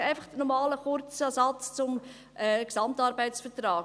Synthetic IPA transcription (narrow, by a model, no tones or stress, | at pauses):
æɪfɑχd̥ənɔɾmɑːləχʊɾt͡ssɑt͡st͡sʊm | ʔɛksɑmtɑɾbæɪsfətɾɑː